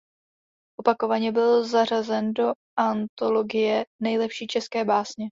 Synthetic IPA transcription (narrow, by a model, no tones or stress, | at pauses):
ʔo̞pakovaɲɛbɪlzar̝azɛndo̞ | ʔant̪o̞lo̞ɡɪjɛnɛjlɛpʃiːt͡ʃɛskɛːbaːsɲɛ